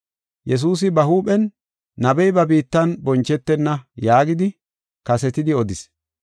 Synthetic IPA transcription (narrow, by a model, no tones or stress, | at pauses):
jɛs̬uːs̬ɪbɐɦuːpɛnː | ɐbɛjbɐbiːt̪ːɐnbɔnt͡ʃːɛt̪ːɛnːɐjaːɡɪd̪ɪ | kɐsɛt̪ɪd̪ɪɔd̪ɪs